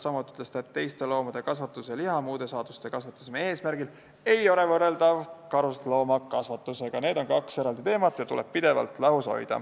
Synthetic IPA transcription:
sɑmut̪ːˑiyt̪lesi̥t̪ɑet̪t̪ːe̞jst̪e̞lo̞ːmɑd̪̥e̞kɑsvɑt̪ːˑuseliɦɑmuːd̪̥e̞sɑːd̪̥ust̪e̞kɑsvɑt̪ːˑu̥semeeːsmæɾɡ̥il | e̞jo̞le̞vɤrːe̞ld̪ɑvkɑɾust̪lo̞ːmɑkɑsvɑt̪ːˑuse̞ɡ̥ɑne̞ːd̪o̞nkɑkseɾɑld̪it̪e̞ːmɑt̪ːˑjɑt̪uleb̥̚pid̪e̞vɑ̰lt̪lɑɦhuso̰jd̪ɑ̰

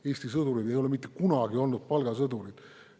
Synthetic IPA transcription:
e̞ːsʲt̪isɤd̪uɾid̪e̞jole̞mit̪ˑːekunɑɡ̥io̞lnud̪̥̚pɑlɡɑsɤd̪uɾid̪̥

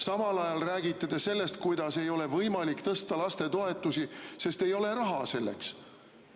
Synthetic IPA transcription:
sɑmɑlɑjɑlræːɡit̪ːˑed̪̥ese̞lːe̞st̪̚kujd̪̥ɑse̞jo̞le̞vɤjmɑlikt̪ɤst̪ɑlɑst̪e̞t̪o̞e̞t̪ːˑusise̞st̪e̞jo̞le̞ɾɑɦɑse̞lːḛks

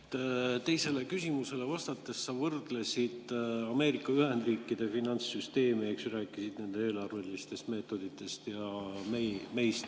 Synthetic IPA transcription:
t̪e̞jse̞le̞kysimuse̞le̞vɑst̪ɑt̪ːˑe̞sːɑvɤrd̪̥le̞sid̪̥ɑme̞ːɾikːˑɑyhe̞nd̪̥riːkˑːid̪̥e̞finɑnt̪sːyst̪e̞ːmieksræːkːˑisid̪̥ne̞nd̪eeːlɑrvelist̪e̞st̪me̞ːt̪ːˑo̞d̪̥it̪ːˑe̞st̪jɑmejme̞jst̪

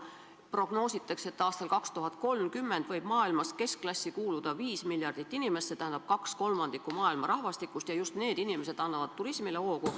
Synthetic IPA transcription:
pro̞ɡ̥no̞ːsit̪ːˑɑkse̞t̪ːɑːst̪ɑlkɑkst̪uɦɑd̪̚ko̞lmkymːe̞nd̪vɤ̞jb̥mɑːilmɑske̞skklɑsʲːikuːlud̪̥ɑviːsmiljɑrd̪̥it̪ːinime̞st̪set̪æhænɑb̥̚kɑksko̞lmɑnd̪̥ikˑumɑːilmɑɾɑhvɑst̪ikːˑust̪jɑjust̪ne̞ːd̪inimese̞d̪̥ɑnːɑvɑt̪̚t̪ːuɾismile̞ho̞ːku

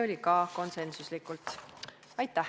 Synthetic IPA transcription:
o̞lʲikɑko̞nse̞nsuslikːˑult̪ | ɑjt̪ːˑæ

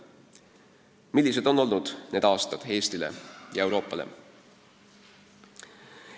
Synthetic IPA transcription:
milːis̬ed̪̥o̞nːo̞lnud̪̥ne̞d̪̥ɑːst̪ɑd̪̥e̞ːst̪ile̞̰jɑe̞wɾo̞ːpˑːɑle̞̰

